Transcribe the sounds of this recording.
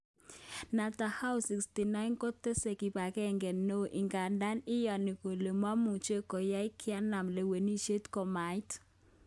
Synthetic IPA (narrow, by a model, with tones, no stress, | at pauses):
na˨ta˨ha˦ʊsi˨ksti˨na˦ɪ˦nko˦te˦se˨ki˨pa˨kɛ˦˨ŋɡɛ˨no˦ʔɪ˨ŋɡa˨nda˦nɪ˦ja˨ni˨ko˨le˨mwa˦mu˨t͡ʃe˦ko˨ja˦ɪ˦kʰɪ˦a˦na˨mle˨we˨ni˦ʃe˦tkɔ˨ma˨ɪ˦t